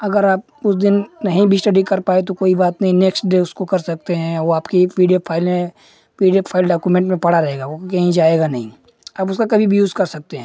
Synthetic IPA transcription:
ɐɡəɾaːp̚ʊsd̪ɪnːɐɦĩbʱisʈɐɖikɐɾpaːet̪okoːibaːt̪nɐɦĩneːksʈɖeʊskokɐɾsɐk̚t̪eɦɛ̃ʋoaːpkipiːɖijopʰaːɪlmẽ | piːɖijopʰaːɪlɖaːkumẽːɳʈmẽpɐɽaɾɐɦeːɡaokɐɦĩd͡ʒaːeːɡanɐɦĩ | aːpʊskakɐbʱibjuːzkɐɾsɐk̚t̪eɦɛ̃

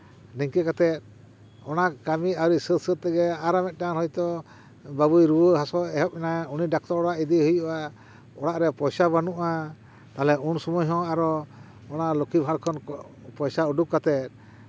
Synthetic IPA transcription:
niŋkɛkat̪ɛt̪̚ | ɔnakamiawɾisət̪̚sət̪̚t̪ɛɡɛaɾamɛt̪̚ˀʈaanhɔjt̪ɔ | babujɾuwəɦasɔɛɦɔp̚mɛnauniɖak̚t̪ɔɾɔɽaʔid̪iɦujuʔa | ɔɽaʔɾɛpɔjsabanuʔa | t̪alɛunsumɔjɦɔ̃aɾɔ | ɔnalɔkibʱaɽkʰɔn | pɔjsauɖup̚kat̪ɛt̪̚

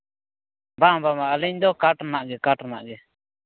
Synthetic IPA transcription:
babamaʔəlɛɲd̪ɔkaʈɾanaʔɡɛkaʈɾna̰ʔɡɛ

